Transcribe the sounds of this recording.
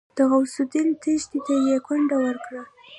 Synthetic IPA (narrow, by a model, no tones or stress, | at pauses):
d̪̥əɣawsud̪ilt̪əʃt̪it̪ajekaɳɖawəɾkɽa